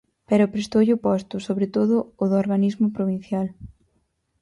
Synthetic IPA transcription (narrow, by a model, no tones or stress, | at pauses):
peɾʊpɾest̪owʎɪʊpɔst̪ʊsoβɾet̪oðʊːðʊoɾɣanizmʊpɾoβĩn̟θjal